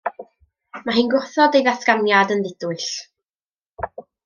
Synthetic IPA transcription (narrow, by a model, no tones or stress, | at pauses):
maɦiːnɡʊrθɔdejðaθɡ̥amjadənðɪdʊɨɬ